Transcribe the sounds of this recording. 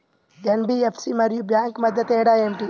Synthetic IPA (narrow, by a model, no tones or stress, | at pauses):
ɡɐnbiːefsimɐɾjuːbjãːŋkmɐd̪ət̪eːɽaːemʈiː